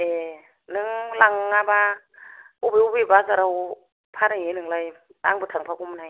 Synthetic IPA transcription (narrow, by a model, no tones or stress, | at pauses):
e | nɯŋlaŋaba | ubeubebazaɾaw | pʰanaŋenɯŋlaj | ta̰ŋbɯtʰaŋpʰakumnaj